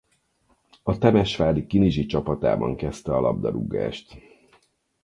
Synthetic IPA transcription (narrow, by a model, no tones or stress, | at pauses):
ɒt̪ɛmɛʃʋaːlikːiniʒit͡ʃɒpɒt̪a̰ːbɒ̰ŋkɛst̪ɛɒlɒ̰b̚d̪ɒɾuɡa̰ːʃt̪